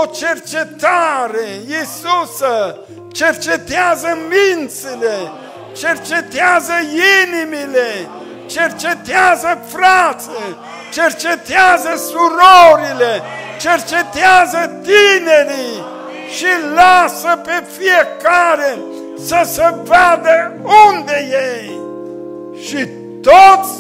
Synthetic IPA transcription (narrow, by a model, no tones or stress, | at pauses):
ot͡ʃert͡ʃet̪aɾejisusə | t͡ʃert͡ʃet̪eazəmint̪sile | t͡ʃert͡ʃet̪eazəinimile | t͡ʃert͡ʃet̪eazəfɾat̪se | t͡ʃert͡ʃet̪eazəsuɾoɾilet͡ʃert͡ʃet̪eazət̪ineɾi | ʃilasəpefijekaɾe | səsəvad̪əund̪ejej | ʃi | t̪ot̪sʲ